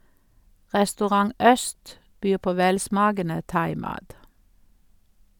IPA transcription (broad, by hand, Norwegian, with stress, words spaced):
ʁɛstʉˈʁɑŋ ˈœst ˈbyːʁ ˈpoː ˈʋɛlˌsmɑːɡənə ˈtɑɪˌmɑːt